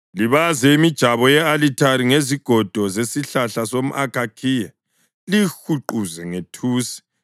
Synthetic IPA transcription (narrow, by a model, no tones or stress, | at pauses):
liβazɛimid̥ʒ̥ʱaβɔjɛalitʰaɾiŋeziɡ̥ʱɔd̥ʱɔzesiɬaɬasom̩ʔakʰʼakʰiːja | lixuǃuzɛŋetʰuːsi̥